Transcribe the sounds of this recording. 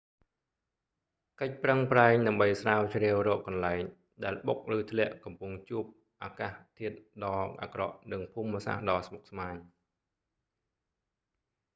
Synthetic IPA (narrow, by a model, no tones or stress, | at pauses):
kəc̚prəŋpraɛŋɗaəmɓəjsraːwt͡ɕrɛəwrɔːʔːɑnlaɛŋ | ɗaɛlɓok̚rɨːt̪ʰlɛ̆əʔkɑmpuŋt͡ɕuəp̚ | ʔaːkaːht̪ʰiət̪̚ɗɑːʔa̰ːkrɑ̰ʔnɨŋpʰuːmːəsa̰hɗɑːsmok̚smaːɲ